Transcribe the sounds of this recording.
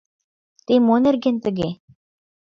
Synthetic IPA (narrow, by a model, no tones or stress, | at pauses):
t̪emonĕrɡʲent̪ɘ̆ɡʲe